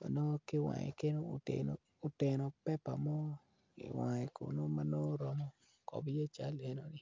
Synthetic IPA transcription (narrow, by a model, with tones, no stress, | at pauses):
ma̰˨no˦kɪ˦wa̰˨ŋḛ˨ke˦no˦o˨tḛno˦ | o˨te˨no˨pɛ˦pa˨mɔ˦ | ḭ˨wa˨e˨ko̰˨no˦ma˦no˦ɾɔ˦mɔ˨ | kɔ̰˨bje˦t͡ʃa˦le˦no˨ni˦